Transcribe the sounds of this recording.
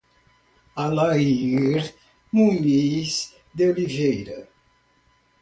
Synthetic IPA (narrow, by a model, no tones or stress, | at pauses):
alaiɾ | mumis | d̪eolivejɾɐ